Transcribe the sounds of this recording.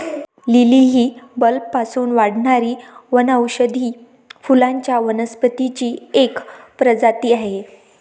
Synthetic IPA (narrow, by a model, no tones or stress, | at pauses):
liliɦiːbəlpːasuːnʋaɽɳaɾiːʋənəwɕəd̪ʱiː | fulaɲt͡ɕjaʋənəspət̪it͡ɕiːekpɾəd͡zat̪iːaɦe